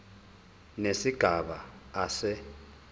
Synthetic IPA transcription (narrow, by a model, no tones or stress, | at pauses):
nesiɡ̥ʱaɓaasɛ